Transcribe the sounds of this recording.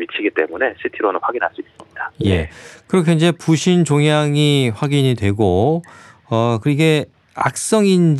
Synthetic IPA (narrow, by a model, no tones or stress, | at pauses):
mit͡ɕʰiɡit͈e̞mune̞ɕʰitʰiɾonɯnwaɡinɦaɭs͈uis͈ɯmɲid̥ajje̞̰kɯɾʌkʰjeind͡ʑe̞puɕʰint͡ɕoŋjaŋiɸwaɡiɲidwe̞ɡo | ʌkɯɾiɡe̞ | a̰k̚s͈ʌŋind͡ʑ